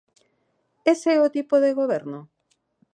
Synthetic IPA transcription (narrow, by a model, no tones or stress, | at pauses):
eseɛot̪ipoðeɣ̞oβ̞eɾno